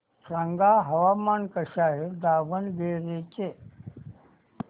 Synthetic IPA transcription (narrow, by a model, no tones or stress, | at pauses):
saŋɡaːɦɐʋaːmaːnkɐʃaːɦiɾd̪aːʋənbeːɾeːt͡ʃeː